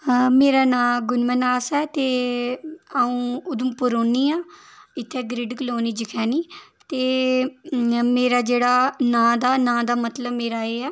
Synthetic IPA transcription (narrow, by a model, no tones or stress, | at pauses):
meːɾaːnãːɡʊnmənaːsɛːt̪eː | aːũːʊd̪ʊmpʊɾoːniːaːɪt̪ʰːeːɡɾɪɖkəloːniːd͡ʒɪkʰɛːniːt̪eː | meːɾaːd͡ʒeːɽaːnãːd̪aːnãːd̪aːmət̪ləbmeːɾaːeːɛː